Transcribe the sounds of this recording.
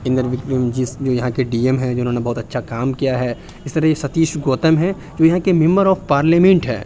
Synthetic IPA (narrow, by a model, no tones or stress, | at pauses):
ɪ̃nd̪əɾʋɪkʈimd͡ʒɪsd͡ʒoːjɐɦãkeɖiːemɦɛ̃d͡ʒoːʊnɦoːnebɐɦʊt̪ɐtːʃʰakaːmkijaɦɛː | ɪst̪ɐɾɐɦjesɐt̪iːʃɡoːt̪əmɦɛ̃ | d͡ʒoːjɐɦãkemɪ̃mbəɾɔːfpaːɾleːmẽɳʈɦɛ̰ː